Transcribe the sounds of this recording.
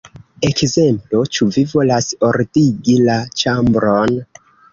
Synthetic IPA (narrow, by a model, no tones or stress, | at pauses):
e̞kze̞mplot͡ʃuvivo̞lasoɾdiɡilat͡ʃambɾon